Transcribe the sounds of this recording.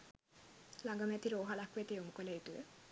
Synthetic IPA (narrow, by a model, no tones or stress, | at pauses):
laŋɡamɛt̪iɾoɦalakwet̪eomukɔlait̪ue